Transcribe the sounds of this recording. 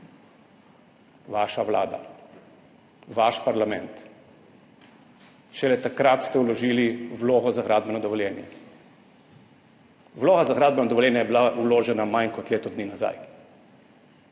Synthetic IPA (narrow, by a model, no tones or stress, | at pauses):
ʋaːʃaʋla̰ːd̪a̰ | ʋaʃpaɾlamɛnt̪ | ʃɛlɛt̪akɾat̪st̪ɛwlɔʒiːliwloːɣɔzaɣɾaːd̪bɛnɔd̪ɔʋɔljɛːnjɛ̰ | wloːɣazaɣɾaːd̪̚bɛnɔd̪ɔʋɔljɛːnjɛjɛbilauloːʒɛnamajnkɔt̪leːt̪ɔd̪niːnaza̰j